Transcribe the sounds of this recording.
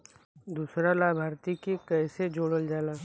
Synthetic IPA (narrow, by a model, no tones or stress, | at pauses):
d̪uːsɾalaːbʱaːɾt̪ikekɛːsed͡ʒoːɽəld͡ʒaːlaː